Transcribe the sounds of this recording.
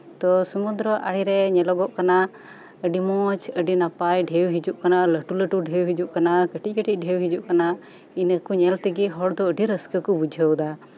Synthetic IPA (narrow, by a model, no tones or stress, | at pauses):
t̪ɔsumund̪ɾɔʔa̰ɽiɾɛɲɛlɔɡɔʔkana | əɖimɔt͡ʃəɖinapajɖʱɛwɦid͡ʒuʔkanaləʈuləʈuɖʱɛwɦid͡ʒuʔkanakəʈic̚kəʈic̚ˀɖʱɛwɦid͡ʒuʔkana | inəkuɲɛlt̪ɛɡiɦɔɽd̪ɔəɖiɾəskəkɔbud͡ʒʱəwd̪a